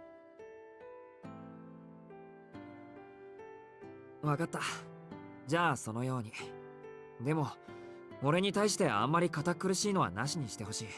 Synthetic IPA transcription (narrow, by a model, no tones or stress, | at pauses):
βakat̪ːa | d͡ʑaːso̞no̞jo̞ːɲ̟i | d̪e̞mo̞ | oɾe̞ɲ̟it̪aiɕi̥t̪e̞ã̰mːaɾʲikat̪akːɯ̟ɾɯ̟ɕiːno̞βa̰naɕiɲ̟iɕi̥t̪e̞ɦo̞ɕiː